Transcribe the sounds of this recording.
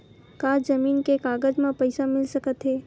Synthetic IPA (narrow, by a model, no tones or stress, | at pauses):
kaːzɐmiːnkekaːɡəd͡ʒmẽpɐɪsamɪlsɐkət̪ɦɛː